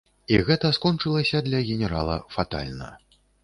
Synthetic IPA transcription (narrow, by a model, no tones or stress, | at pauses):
iɣɛt̪ɐskɔnt͡ʂɨlˠɐsʲɐd̪lʲɐɣʲɛnʲɛɾa̰lˠɐ̰fat̪a̰lʲnɐ̰